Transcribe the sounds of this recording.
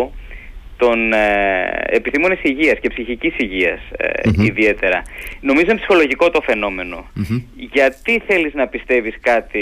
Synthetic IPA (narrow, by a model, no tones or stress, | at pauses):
t̪o̞n | episθimo̞nesiʝiɐscepsiçicisiʝiɐsiðie̞t̪e̞ɾɐno̞mizomepsi̥xo̞loʝiko̞t̪o̞fe̞no̞me̞no̞ | ʝɐt̪iθe̞liznɐpist̪e̞viskɐt̪i